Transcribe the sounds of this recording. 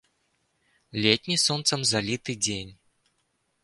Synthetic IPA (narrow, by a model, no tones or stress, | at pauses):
lʲet̪ʲnʲisɔnt̪sɐmzalʲit̪ɨd͡zʲenʲ